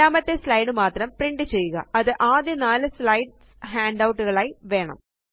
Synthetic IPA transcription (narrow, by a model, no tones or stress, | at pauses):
aːmɐt̪ːe̞slɐjɽɨmaːt̪rɐmpriɳɖɨt͡ɕe̞jːuɣɐ̰ɐðɨʔaːd̪jɐnaːlɨslɐjɖ | ɦaːɳɖɐwʈːuɣɐɭaːjʋe̞ːɳɐ̰m